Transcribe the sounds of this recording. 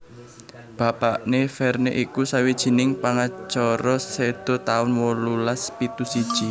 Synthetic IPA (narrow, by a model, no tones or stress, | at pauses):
b̥a̤paʔnefɛrneʔikusawid̥ʒ̥i̤nɪŋpaŋat͡ʃɔɾɔsed̪̥o̤t̪aʊnwɔlulaspit̪usid̥ʒ̥i